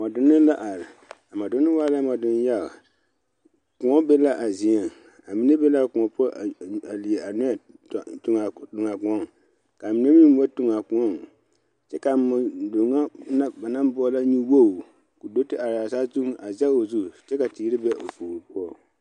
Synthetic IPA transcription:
mɔ˨dʊ˦nːɪ˦la˦ʔa˨l | a˨ma˨dʊ˦nːɪ˦waː˦la˦mɔ˨dʊ˦n˦ja˦l | kʊ˨ŋɔ˦be˦la˦ʔa˨zi˨e˨ŋ | a˨mi˦ne˦be˦la˦˨kʊ˨ŋɔ˨pɔ˦˨a˨li˨e˨a˨nʊ˦a˨ | tʊ˨ŋa˨tʊ˨ŋa˨kʊ̃˨ɔ˦˨ŋ | ka˨mi˨ne˦mi˦m˦wa˦tʊ˨ŋa˨kʊ˨ŋɔ˦˨ŋ | t͡ʃɛ˦ka˨ma˨dʊ˨ŋa˦na˦ba˨na˦m˦bʊ˦ɔ˦la˦ɲi˦wo˦˨ | ku˨do˦tɪ˦a˨ɾa˨saː˦zu˦ŋa˨za˦o˨zu˦˨t͡ʃɛ˦ka˨tiː˨˦ɾɪ˦bɛ˦ʔo̰˨fuː˨ɾi˨pʊ˦ɔ˦

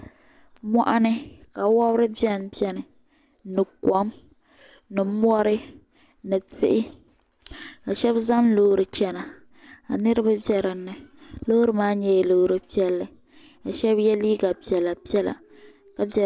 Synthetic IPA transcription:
mɔ˦ʔa˦nɨ˦ka˨wɔ˦bɾɨ˦bjɛ˦npɛ˦nɨ˨ | nɨ˨kɔ˨˦m | nɨ˨m˦ɔ˦ɾɨ˦ | nɨ˨tɪ̰˦ʔɪ˦ | ka˨ʃɛ˦bza˦nlo˦ɾɨ˨t͡ʃɛ˦na˨ | a̰˨nɨ˦ɾɨ˦ba˦bɛ˦ɾɨ˨nːɨ˨lo˦ɾɨ˦maː˦ɲɛ˦jloː˨˦˨ɾɨ˦pi˦ɛ˦lːɨ˨ | ka˨ʃɛ˦bjɛ˦liː˦ɡa˨pi˨ɛ˨la˨pi˦ɛ˦la̰˨ | ka˨bɛ˦

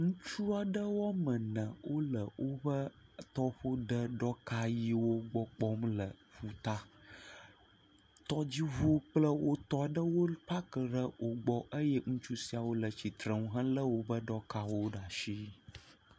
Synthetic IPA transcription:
ŋũ˦t͡ʃu˦a˨ɖə˦wɔ˦mə̃˨nə̃˨wʔo˦lə˨wʔo˦bə˦t̪ɔ˦ɸo˦ɖə˦ɖɔ˦ka˦ji˦wo˦ɡ͡bɔ˦k͡pɔ˦mlə˨ɸu˨t̪a˦ | t̪ɔ˦d͡ʑi˦βu˦k͡plə˦wʔo˦t̪ɔ˦˨ɖə˦wo˦pa˦kə˨ɖə˦wo˨ɡ͡bɔ˦ʔə˦jɛ˦ŋũ˦t͡ʃu˦si˦a˨wo˦lə˨t͡ɕi˨t̪ɾə˨ŋũ˦ɦã˦lə˦wo˦bə˦ɖɔ˦ka˦wo˦ɖa˨ʃi˦

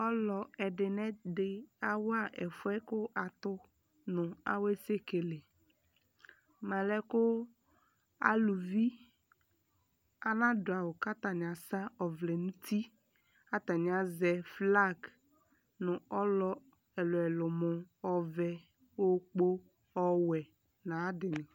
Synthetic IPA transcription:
ɔ˦lɔ˨ɛ˨ɖɪ˨nɛ̃˦dɪ˨a˦wa˦ʔɛ˨fʊ˦ɛ˦kʊ˦ʔa˨t̪ʊ˦ | nʊ̃˨a̰˨we˦se˦ke˨le˨ | mã˨lɛ˦kʊ˦ | a̰˦lu˨vi˦ | a˦nã˦dʊ˨a˨wʊ˨ka˦t̪a˨ɲ˨a˨sa˦ɔ˨vlɛ˨nũ˦ti˦ | a˦t̪a˨ɲ˨a˨zɛ˨fla˦˨ɡ | nʊ̃˨ɔ˦lɔ˦ | ɛ˨lʊ˨ɛ˨lʊ˨mʊ˨ɔ˦vɛ˦ | o˦k͡po˦ | ɔ˦wɛ˨ | nã˨a˦dɪ˨nɪ̃˨

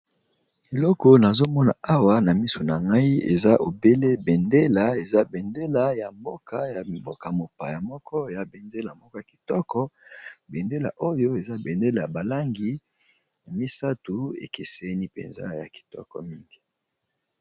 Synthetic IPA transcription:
e˨lɔ˦kɔ˦na˨zo˦mɔ˦na˨a˦wa˨na˨mi˦so˨na˨ŋɡa˦i˦ḛ˨za˦ʔo˨be˦le˦bɛ˨nde˦la˦e˨za˦bɛ˨nde˦la˨ja˨mbo˦kʰa˨ja˨bo˦ka˨mo˨pa˨ja˨mɔ˦kʰɔ˦˨ja˨be˨nde˦la˨mɔ˦kɔ˦ja˨ki̥˨tɔ˦kɔ˦be˨nde˦la̰˨ʔo˦jo˦e˨za˦be˨nde˦la˨ja˨ba˨la˦ŋɡi˨ | na˨mi˦sa˦tu˨ḛ˨ke˨sɛ˦ni˦pḛ˨nza̰˦ja˨ki̥˨tɔ̰˦kɔ̰˨mi˦ŋɡi˨

